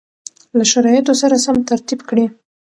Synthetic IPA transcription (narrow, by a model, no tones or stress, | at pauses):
laʃaɾɑjɪt̪osaɾasamt̪aɾt̪ibkɽi